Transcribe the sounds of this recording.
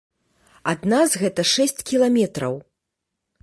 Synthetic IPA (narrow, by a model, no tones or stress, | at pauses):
ad̪nazɣɛt̪ɐʂɛsʲt͡sʲkʲilˠamʲɛt̪ɾɐw